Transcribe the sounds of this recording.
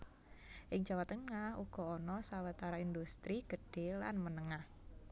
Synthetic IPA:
ʔɪŋd͡ʒawat̪ənŋahuɡ̥ɔ̤ɔnɔsawət̪aɾaind̪ust̪ɾiɡ̥əɖ̥ela̰nmənəŋah

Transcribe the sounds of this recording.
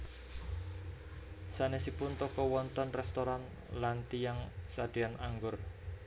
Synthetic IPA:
sanesipʊnt̪ɔkɔwɔnt̪ɔnrɛst̪oɾan | lant̪ijaŋsad̪̥eanaŋɡʊr

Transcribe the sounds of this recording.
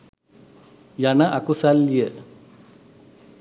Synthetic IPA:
janɐʔakusaljə

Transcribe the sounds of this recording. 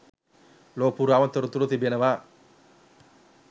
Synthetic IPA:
loːpuɾaʋənt̪əɾut̪uɾut̪ibenəʋa

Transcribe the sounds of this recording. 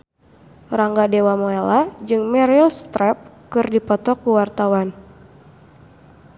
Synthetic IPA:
raŋɡadewamoelad͡ʒɨŋmɛɾilst̪ɾɛp̚kɨrdipɔt̪ɔkuwart̪awan

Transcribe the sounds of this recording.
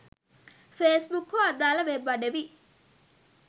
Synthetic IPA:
feːsbukːoɐd̪aːlɐʋebːɐɖeʋi

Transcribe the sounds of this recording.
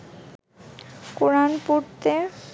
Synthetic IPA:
kuɾanpuɾt̪e

